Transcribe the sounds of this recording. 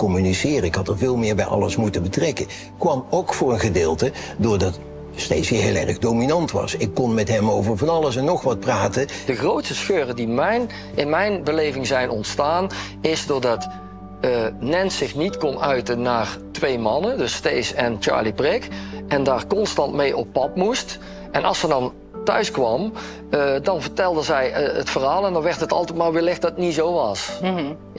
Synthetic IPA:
kɔmynisɪːrəɪkɦɑtəɹvɪːlˠmɪːɹbɛjɑ̰lˠəsmutəbətrɛkən | kʋɑmowkfʊːɹənɣədɪːlˠtə | dʊːɹdɑt | stejtsiɦeːlˠɛ̰rəxdowminɑntʋɑ̰sɪkːɔnmɛtɦɛmowvəɹvɑnɑlˠəs̬ɛnːɔχʋɑt̚praːtədəɣrowtstəsxøːrədimɛjn | ɪnmɛjnbəlejvɪŋzɛjnʔɔntstaːn | ɪsdʊːɹdɑt | ənɛnsɪxnitkɔnœɥtənnːaːrtʋejmɑnəndɵsːtejsɛnt͡ʃɑ̰ːɹliprɪkʔɛndaːɹkɔnstɑntmejʔɔpːɑpmust | ʔɛnʔɑ̰lˠsədɑn | tœɥskʋɑm | dɑnvəɹtɛlˠdəzɛjətfərɦaːlˠɛndɑnʋɛɹtɦətɑ̰lˠtɛtmaːlˠʋɪːlɪxdɑətnizowʋɑs

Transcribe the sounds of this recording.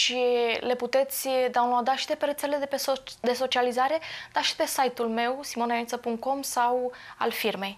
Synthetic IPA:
ʃile̞put̪e̞t̪sʲd̪awnlod̪aʃi̥d̪e̞peɾet̪seled̪eped̪e̞so̞t͡ʃializaɾe̞d̪aʃi̥pe̞sajt̪ulme̞wsimo̞najnit̪sapuŋk̪̚kːo̞msawa̰lfirme̞j

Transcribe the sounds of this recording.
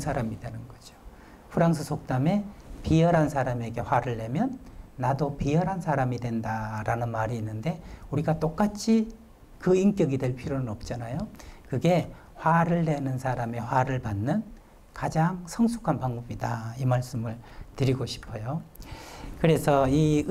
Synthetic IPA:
sʰaɾamidwe̞nɯnɡʌd͡ʑo | pʰuɾaŋsʰɯsʰok̚t͈ame̞piʌɾɦansʰaɾame̞ɡe̞ɸwaɾɯɭːwe̞mjʌnːadopiʌɾɦansʰaɾamidwe̞ndaɾanɯnmaɾiːnːɯnde̞uɾiɡat͈ok͈at͡ɕʰi | kɯiŋk͈jʌɡidwe̞ɭpʰiɾonɯnʌp̚t͡ɕ͈anajokɯɡe̞ | ɸwaɾɯɭːe̞nɯnsʰaɾame̞ɸwaɾɯɭpanːɯn | kad͡ʑaŋsʰʌŋsʰu̥kʰanpaŋbʌbidaimaɭs͈ɯmɯɭtɯɾiɡoɕʰi̥pʰojo | kɯɾe̞sʰʌi

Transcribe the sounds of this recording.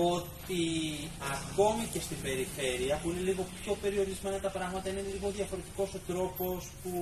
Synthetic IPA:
o̞t̪iɐko̞mice̞st̪ibe̞ɾife̞ɾiɐpuine̞liɣo̞pço̞pe̞ɾio̞ɾizme̞nɐt̪ɐpɾɐɣmɐt̪ɐine̞meliɣo̞ðʝɐfo̞ɾe̞t̪i̥ko̞so̞t̪ɾo̞po̞spu

